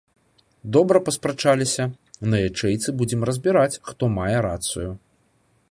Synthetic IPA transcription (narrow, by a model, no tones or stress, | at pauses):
d̪ɔbɾɐpɐspɾɐt͡ʂalʲisʲɐ | nɐjat͡ʂɛjt̪sɨbud͡zʲɛmrɐzʲbʲiɾat͡sʲxt̪ɔmajɛɾat̪sɨju